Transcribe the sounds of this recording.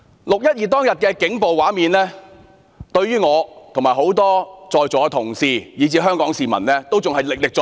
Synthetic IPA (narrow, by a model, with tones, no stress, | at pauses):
lʊ˨k̚jɐ˥t̚jiː˨˧t̪̬ɔː˥ŋjɐ˨t̚kɛː˧kɪ˨˥ŋpo˨wwaː˨˥miː˨˧nlɛː˥ | t̪ɵ˧ɥɥyː˥ŋɔː˨˧t̪ʰŋmaː˨˩jho˨˥wt̪ɔː˥t͡sɔː˧jt͡sɔː˨˧kːt̪ʰʊ˨˩ŋsiː˨jiː˨˧t͡siː˧ɦœː˥ŋkɔː˨˥ŋsiː˨mɐ̰˨˩nlɛː˥t̪o˥wt͡sʊ˨ŋhɐ˨jlɪ˨k̚lɪ˨k̚t͡sː